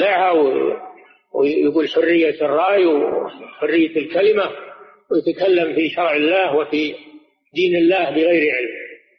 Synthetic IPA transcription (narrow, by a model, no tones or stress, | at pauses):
aʕhaw | wjaɡuːlħʊrːɪjːarˤːɑːjwħʊrːɪjːalkalɪma | wjat̪akalːamfiʃɑɾˤʕɪlːaːhwɪfi | d̪iːnɪlːaːhbɪɣajɾʕɪlm